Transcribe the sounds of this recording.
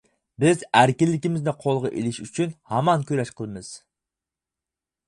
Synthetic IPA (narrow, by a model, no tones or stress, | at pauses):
bɪzæɾkʲilːɪkʲimɪznɪqʰolˠʁɑʔḛlɪʃyt͡ʃʰynhɑmɑnkʲøɾɛʃqʰəlˠɨmɨz̥